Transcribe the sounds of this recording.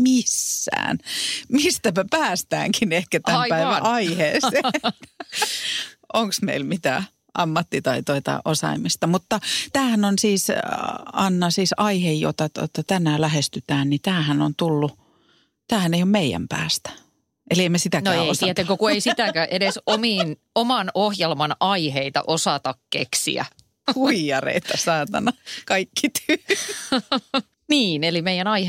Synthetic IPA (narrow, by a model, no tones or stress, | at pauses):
misːæ̰ːnmist̪æpæpæːst̪æ̰ːŋkinehkæt̪æpæiʋæʔɑiheːse | ʔoŋksmḛilmit̪æ̰ | ʔɑmːɑt̪ːit̪ɑit̪oit̪ɑ̰ʔosɑ̰imist̪ɑmut̪ːɑt̪æːhænonsiːs | ɑnːɑsiːsɑihejjo̰t̪ɑt̪o̰t̪ːɑt̪ænːæːlæhest̪yt̪æːnnit̪æːhænont̪ulːu | t̪æːhæneijommeijæ̰mpæ̰ːst̪æ̥ | elieimesit̪ænoæːot̪iæt̪eŋkokueisit̪ækæːʔedesomiːn | omɑnohjelmɑnɑiheit̪ɑ̰ʔosɑt̪ɑkkḛksḭæ̰ | kuijɑrḛit̪ːɑsɑːt̪ɑnɑkɑikːit̪y | niːnelimeijænɑihe